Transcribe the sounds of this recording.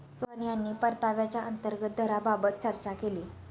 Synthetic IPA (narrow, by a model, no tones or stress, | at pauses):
sʋənjanːiːpəɾt̪aʋjat͡ɕjaʔənt̪əɾɡət̪̚d̪ʱəɾababət̪̚t͡ɕəɾt͡ɕakeliː